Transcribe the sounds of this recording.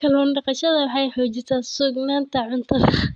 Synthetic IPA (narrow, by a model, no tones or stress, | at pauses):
kʰɐlɔːnɖɑqɑʃɐðɐwɑħɑjħɔːt͡ʃɪsasuɡnaːnt̪ʰɐʕʊnt̪ʰɐðɐ